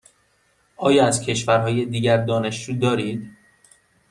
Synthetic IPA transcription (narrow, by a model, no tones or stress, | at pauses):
ʔɒːjɒːæzcʰe̞ʃvæɾɦɒːje̞d̪iːɟæɾd̪ɒːne̞ʃd͡ʒuːd̪ɒːɾiːd̪